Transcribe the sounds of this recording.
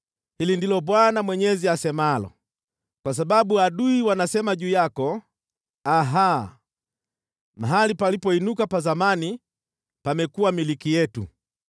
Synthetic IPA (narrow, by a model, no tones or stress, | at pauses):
hilindilɔbwanamwɛɲɛziasɛmalɔ̰ | kwas̬abaɓuaɗuiwanasɛmaʄuːjakɔ | aɦa | maɦalipalipɔinukapazamani | pamɛkuwamilikijɛtṵ